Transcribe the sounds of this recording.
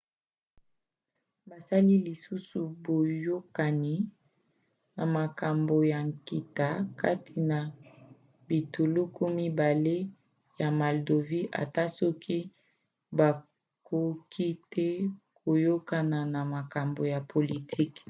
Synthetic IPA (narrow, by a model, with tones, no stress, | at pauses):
ba˨sa˦li˦li˨su˦su˨bo˨jo˦ka˨ni˨ | na˨ma˨ka˨mbo˨ja˨ŋki˨ta˦ka̰˦tʰi˨na˨ | bi˨to˨lo˦ko˦mi˦ba˨le˦ | ja˨ma˨ldo˨vi˦ʔa̰˨ta˦sɔ˦kʰi˦ | ba˨ | ko˦ki˦tɛ˦ko˨jo˦ka˨na˨na˨ma˨ka˨mbo˨ja˨pʰo˨li˨tʰi˦k